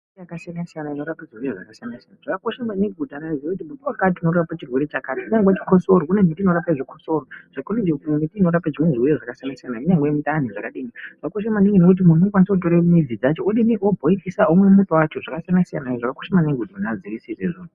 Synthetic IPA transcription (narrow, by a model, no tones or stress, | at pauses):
ijakasijanasijanaino̞ɾapaʐiɦujoʐa̰kasijanasijanaʐ̥akakoʃamaneɡʱudʱanaiekutimutowakat̬iuno̞ɾaapat͡ʃirwe̞ɾe̞t͡ʃakaːtiiɲaŋɡet͡ʃi̥kosoɾoune̞mitinoɾapaiʐikoso̞ɾoʐ̥akonind͡ʒetumitiːno̞ɾapaʐimwenʐiujeʐakasijanasijanaiɲaŋɡemitaniʐakaɗiniʐ̥akakoʃemaniŋinokut̬imun̤uokwanisakut̬oɾemid͡zid͡zat͡ʃo̞oɗiniʔobʱoikisaomwe̞mutowat͡ʃo̞ʐakasijanasija̰naiʐakakoʃemaneɡʱudʱanad͡zirisiseʐoːnu